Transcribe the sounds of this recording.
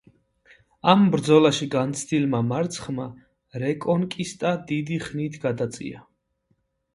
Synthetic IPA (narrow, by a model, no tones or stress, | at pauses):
ambɾd̪zɔlaʃiɡant̪sʰd̪ilmamaɾt̪sʰχma | ɾɛkʼɔnkʼist̪ʼad̪id̪iχnit̪ʰɡad̪at̪sʼḭa